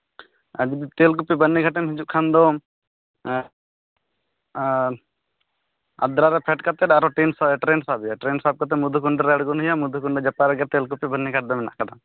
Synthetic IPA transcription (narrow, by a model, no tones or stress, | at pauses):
əd͡ʒbt̪eːlk̬upibənːiɡʱaʈ̬ɛmɦɛd͡ʒuʔkʰand̪ɔ | ɐ̰d̪ɾaɾɛpʰɛʈkɐt̪ɛaɾɔʈinsaɛʈɾeːnsabjaʈɾeːnsab̚kat̪̬ɛmud̪ʱukuɳɖɛɾɛɐɽɡunɦijamud̪ʱukuɳɖɛd͡ʒapaɾɛɡɛt̪eːlkupibənːiɡʰʱaʈ̚d̪ɛmɛna̰ʔkɐd̪a